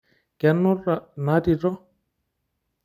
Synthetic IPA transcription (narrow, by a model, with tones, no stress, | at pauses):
kɛ˨nːʊ˦rːa˨na˦di˨tɔ˦